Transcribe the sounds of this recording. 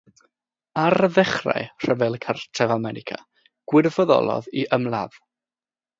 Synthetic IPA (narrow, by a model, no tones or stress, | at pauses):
aɾəðɛχra̰jr̥əvɛlˠkʰartʰɛvamɛɾɪkʰa | ɡ̥wɪrvɔðɔ̰lˠɔ̰ðiʔəmlˠa̰v̥